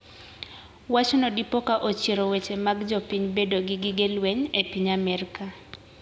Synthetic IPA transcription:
wat͡ʃɔnɔdipɔkaʔot͡ʃjeɾowet͡ʃemaɡd͡ʒopiɲbedoɡɪɡɪɡelweɲepiɲamɛrka

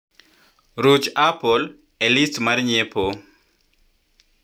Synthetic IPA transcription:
ɾut͡ʃapʰol | elistmaɾɲepʰo

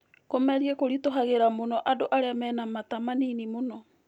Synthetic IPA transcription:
komɛɾiekoɾitoɦaɣeɾamonɔʔadoʔaɾeamɛːnamatamaninimonɔ

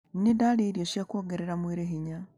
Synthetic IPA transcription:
nnidaleɾjoʃjakwoːɡeɾeɾamweɾeɦiɲa

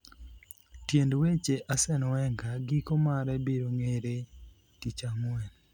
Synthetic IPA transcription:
tjendwet͡ʃeʔasɛnɔwɛŋɡaɡikomaɾɛbiɾoŋeɾe | tit͡ʃamwɛn

